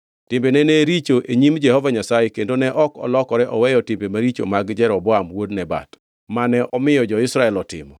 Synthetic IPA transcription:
tɪmbenɛneɾit͡ʃoʔeɲimd͡ʒɛhɔvaɲasajekendonɛʔɔkɔ̰lɔkɔɾɛʔɔwɛjɔtɪmbemaɾit͡ʃo̰maɡd͡ʒɛɾɔbɔamwodnɛba̰t | manɛʔɔmɪjɔd͡ʒɔɪsɾaɛlɔtɪ̰mɔ

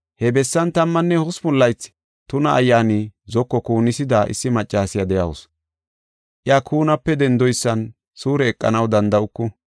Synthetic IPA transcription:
hɛbɛsːɐnt̪ɐmːɐnːɛhʊsmʊlːɐjt͡sː | t̪ʊnɐːjːaːnizɔkːɔkuːnːɪsɪd̪aʔɪ̰sːɪmɐt͡ʃʼːaːsɪjad̪ɛjɐwʊs | ʔɪjakʰuːnɐpːɛd̪ɛnd̪ɔjsːɐn | suːɾɛːkʼːɐ̰nɐwd̪ɐnd̪ɐʊkːʊ

